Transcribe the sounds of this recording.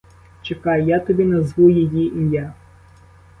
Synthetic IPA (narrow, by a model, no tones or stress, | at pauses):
t͡ʃekɑjjat̪ɔbʲinɐzʋujejiinʲja